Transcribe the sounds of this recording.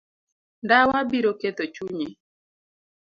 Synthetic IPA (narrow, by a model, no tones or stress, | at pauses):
ndawabiɾoked̪ot͡ʃuɲi